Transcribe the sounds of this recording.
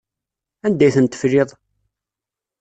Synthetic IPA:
ænd̪æjθənt̪ə̥flɪðˤ

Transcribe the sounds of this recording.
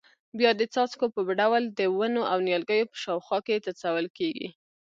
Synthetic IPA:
bjɑd̪ət͡sɑt͡skopəɖawld̪əwənoʔawnjɑlɡəjopə̥ʃɑwxwɑket̪at͡sawəlkeɡḭ

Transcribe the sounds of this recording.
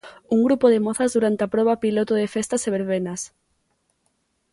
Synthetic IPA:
uŋɡɾupoðemoθazðuɾant̪eapɾoβapilot̪oðefest̪aseβ̞eɾβenas

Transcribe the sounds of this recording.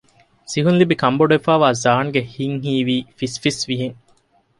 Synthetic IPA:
siɦunlibikɐmboɖefæːʋaːzaːnɡehiŋɦiːʋiːfisfisʋiɦiŋ

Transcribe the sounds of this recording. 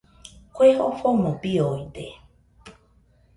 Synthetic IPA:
kʷeho̰fomõpiojd̪e

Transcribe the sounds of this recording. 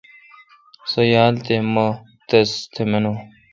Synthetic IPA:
sɐjaːlt̪emɐ | t̪ɐst̪ʰemeno

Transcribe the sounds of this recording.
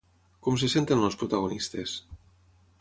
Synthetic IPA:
komsesent̪enospɾut̪aɣonist̪es

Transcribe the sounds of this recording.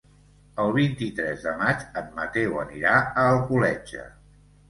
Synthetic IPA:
əlˠβ̞int̪it̪ɾɛzðəmat͡ʃəmmət̪ewə̰niɾaəːlˠkulɛʒə̰

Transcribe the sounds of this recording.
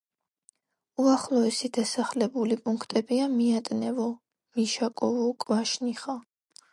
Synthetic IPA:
uaχlˠɔɛsid̪̥asaχlɛbulipʼuŋkʰt̪ʼɛbiamiat̪ʼnɛvɔ | miʃakʼɔvɔkʼvaʃniχa

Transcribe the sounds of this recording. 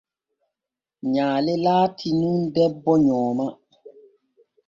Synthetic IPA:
ɲaːlɛlaːtʰinundɛbːɔɲɔːma

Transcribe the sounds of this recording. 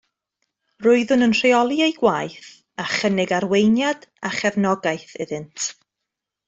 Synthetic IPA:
rʊɨðʊnənr̥eɔlˠiejɡ̥waːjθ | aχənɪɡaɾwejnjadaχɛvnɔɡajθɪðɨntʰ

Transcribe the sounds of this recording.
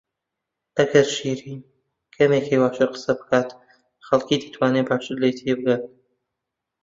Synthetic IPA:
ʔɐɡɐɾʃiːɾiː | kʰɐmeːkʰejwaːt͡ʃʰɨqə̥sɐbɨkʰaːt̪ | xɐlkiːd̪ḁt̪ʰwaːneːpaːt͡ʃɨd̪lejt̪ʰijebɨɡat̪

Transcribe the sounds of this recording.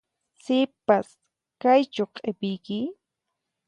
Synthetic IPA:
sɪpas | kajt͡ʃoqʼepɪjkɪ

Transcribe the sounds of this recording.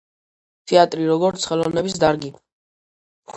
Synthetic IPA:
t̪ʰɛat̪ʼɾiɾɔɡɔɾt̪sʰχɛlˠɔvnɛbisd̪aɾɡi

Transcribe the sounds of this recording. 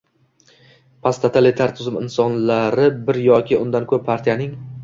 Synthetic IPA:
pʰast̪ʰat̪ʰalɪt̪ʰaɾt̪ʰʊzɪmɪ̰nsɒnlaɾɪbɪɾjɒkʲɪʊnd̪ankʰɵpːʰaɾt̪ʰijanɪŋ

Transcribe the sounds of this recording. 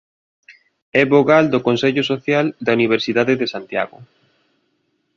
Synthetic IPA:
ɛβoɣald̪ʊkonsɛʎʊsoθjald̪ɐuniβ̞eɾsiðaðeðesant̪ja̰ɣʊ

